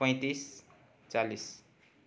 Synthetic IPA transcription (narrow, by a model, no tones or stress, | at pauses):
pʌ̃j̃t̪is | t͡salis